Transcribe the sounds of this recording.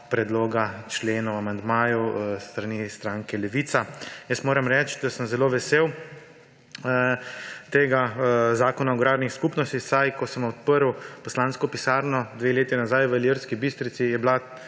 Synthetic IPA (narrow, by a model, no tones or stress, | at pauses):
pɾɛd̪loːɡat͡ʃleːnɔwamand̪maːjust̪ɾanist̪ɾaːŋkɛlɛʋiːt̪sajəst̪moːɾɛmɾɛt͡ʃd̪asəmzɛloːʋɛsew | t̪eːɡazaːkɔnaɔɡɾaːɾnixskupnɔst̪ixsajkɔsəmɔt̪̚pəɾwpɔslaːnskɔpisaːɾnɔd̪ʋeːleːt̪inazajʋəeliəɾskibist̪ɾit̪sijɛbla